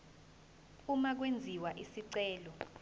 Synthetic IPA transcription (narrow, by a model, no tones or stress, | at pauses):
umak̬wend͡zʱiwaʔisiǀɛːlɔ